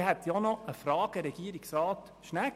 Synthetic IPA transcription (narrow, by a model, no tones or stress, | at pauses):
hɛt̪jɔnɔəfɾɑːɡ̥əɾɛɡ̥iəɾɪksɾɑːt̪ | ʃnæk